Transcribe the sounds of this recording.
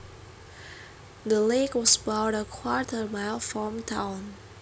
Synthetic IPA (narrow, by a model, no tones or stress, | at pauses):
d̪əlekwɔsəbaʊɾəkʰwɔɹtʰə˞maɪlfɹɔ̃mtʰãwn